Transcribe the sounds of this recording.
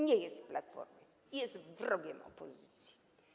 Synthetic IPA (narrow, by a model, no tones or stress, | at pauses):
ɲɛjesi̥platfɔ̰rm | ijesivrɔɡ̬ɛmɔ̰pʰozitʰi̥